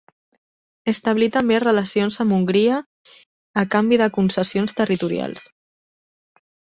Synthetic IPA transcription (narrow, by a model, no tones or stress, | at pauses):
əst̪aβlit̪əmberələsionzamuŋɡɾiəː | kambiðəkunsəsionst̪ərit̪uɾija̰lˠs